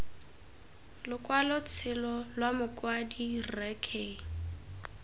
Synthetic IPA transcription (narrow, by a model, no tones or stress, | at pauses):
lʊkʼwalʊt͡sʰɪlɔlwamʊkʼwadirɛkʰe